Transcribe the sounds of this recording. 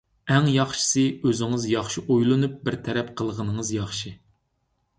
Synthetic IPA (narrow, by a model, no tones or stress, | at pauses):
ɛŋjɑχʃɨ̥sɨøzɪŋɨzjɑχʃiʔojlˠɨnup̚bɪɾt̪ʰɛɾɛp̚qʰəlˠʁənɨŋɨzjɑχʃi